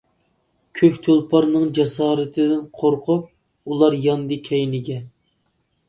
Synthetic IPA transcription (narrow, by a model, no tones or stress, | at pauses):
kʲʰøkʲt̪ʰolˠpʰɑɾnɨŋd͡ʒɑsɑːɾɨt̪ʰɨd̪ɪnqʰoɾqʰʊp̚ | ulˠɑɾjɑnd̪ɨkʲʰɛjnɪɡʲɛ